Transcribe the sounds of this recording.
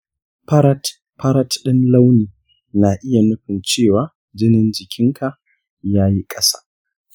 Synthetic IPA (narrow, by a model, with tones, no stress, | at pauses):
pɐ˦ɾɐ˦t | pʰɐ˦ɾɐ˦tɗɪ˦nla˦wniː˨ | na˨ʔɪ˦ja˨nʊ˦ɸɪ˨nt͡ʃeː˦˨waː˨ | d͡ʒɪ˦nɪ˦nd͡ʒɪ˨kʲɪ˦ŋkʰa˨ | jaː˦ji˦kʼɐ˦sa̰ː˦